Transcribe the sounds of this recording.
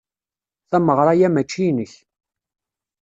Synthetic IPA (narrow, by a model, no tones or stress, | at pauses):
θæməʁɾˤɑjæmæt͡ʃːinəç